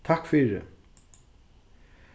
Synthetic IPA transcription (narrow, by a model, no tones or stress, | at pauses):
t̪ʰakfiːɹɪ̰